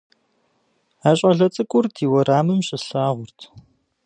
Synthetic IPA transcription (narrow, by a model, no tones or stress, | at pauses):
aːɕʼɐɮɐt͡sʼɨkʷʼʊrdʰiːwɐɾaːmɨmɕʼɪɬaːʁʷʊrtʰ